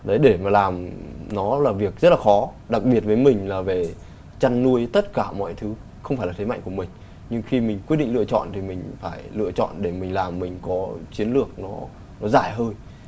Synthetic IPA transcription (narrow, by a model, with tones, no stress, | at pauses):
ɗə˨˦jɗe˧˩maː˨˩laː˨˩mnɔ˨˦laː˨˩vi˨˩ək̚zə˦˥t̚laː˨˩xɔ˨˦ | ɗa˨˩k̚ɓi˨˩ət̚vəː˨˦jmï˨˩ŋ̟laː˨˩ve˨˩ | t͡ɕa˧nːu˧əjt̪ə˦˥t̚kaː˧˩mɔ̰˧˨jt̪ʰɨ˨˦ | xə˧wŋ͡mfaː˧˩laː˨˩t̪ʰma̰˧˨ŋ̟ku˧˩mï˨˩ŋ̟ | ɲɨ˧ŋxi˧mï˨˩ŋ̟kwi˦˥t̚ɗï˧˨ŋlɨ˧˨ət͡ɕɔ̰˧˨nt̪ʰi˨˩mï˨˩ŋ̟faː˧˩jlɨ̰˧˨ət͡ɕɔ̰˧˨nɗe˧˩mï˨˩ŋ̟laː˨˩mːï˨˩ŋ̟kɔ˨˦t͡ɕi˨˦ənlɨ˨˩ək̚nɔ˨˦ | nɔ˨˦zaː˧˩jɦəː˧j